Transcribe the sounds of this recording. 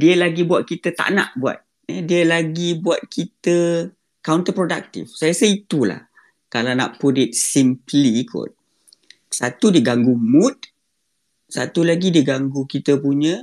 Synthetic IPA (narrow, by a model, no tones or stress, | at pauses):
diəlaɡibuat̪̚kit̪ət̪a̰ʔna̰ʔbua̰t̪̚ | ədiəlaɡibuat̪̚kʰit̪ə | kawnt̪əpɾoda̰k̚t̪ḭfsajəsəit̪ula̰h | kalana̰ʔpudit̪̚simpliːkʰʊ̰t̪̚ | sat̪udiɡaŋɡumʊt̪̚ | sat̪ulaɡidiɡaŋɡukit̪əpuɲə̃